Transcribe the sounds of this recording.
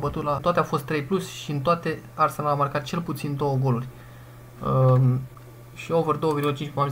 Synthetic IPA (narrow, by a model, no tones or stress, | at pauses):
bət̪ut̪laoat̪eafo̞st̪ːɾe̞jplusʲʃiɨnt̪oat̪e̞arsenlamarkat̪̚t͡ʃe̞lput̪sind̪o̞wəɡo̞lurʲ | ʃio̞vərd̪o̞oəvirɡulət͡ʃint͡ʃpuami